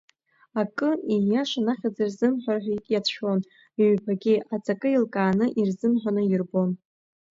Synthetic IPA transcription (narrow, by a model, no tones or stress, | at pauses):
akʼɨijaʂanaχʲad͡zirzɨmħʷᶣarħʷᶣakʼjatʰʃʰon | iɥpʰaɡʲiʔat͡sʼakʼɨilkʼaːnɨʔirzɨmħʷᶣanɨjɪrbo̞n